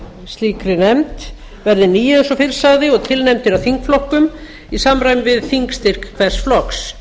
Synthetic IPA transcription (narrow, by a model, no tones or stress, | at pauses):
st̪liːkɾɪnɛmt̪ | vɛɾðɪniːjɪɛnsɔfɪɾ̥saɣðɪɔɣt̪ʰɪlnɛmt̪ɪɾaθiŋkflɔhkʏm | isamɾaːjmvɪðθiŋkst̪ɪr̥kkʰvɛr̥sflɔks